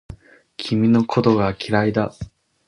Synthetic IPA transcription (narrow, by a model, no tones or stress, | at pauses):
kʲʰimʲino̞kʰo̞t̪o̞ɡaːkʲʰiɾaid̪a